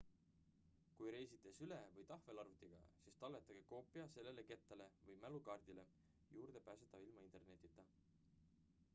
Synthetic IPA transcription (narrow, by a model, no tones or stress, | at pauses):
kujɾe̞jsit̪ːˑesylevɤjt̪ɑhve̞lɑɾut̪ːˑiɡ̥ɑ̰sist̪ɑlːet̪ːˑɑɡ̥eko̞ːpːˑiɑse̞lːe̞le̞ke̞t̪ːˑɑle̞vɤjmælukɑːrd̪̥ile | juːrd̪̥e̞pæːset̪ːˑɑvilmɑint̪e̞rne̞t̪ːˑit̪ːˑɑ